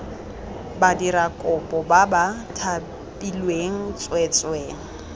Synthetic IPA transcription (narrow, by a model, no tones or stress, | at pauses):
badirakʼʊpʼɔbabatʰa | pʼilweŋ̩t͡sʼwɛt͡sʼweːŋ̩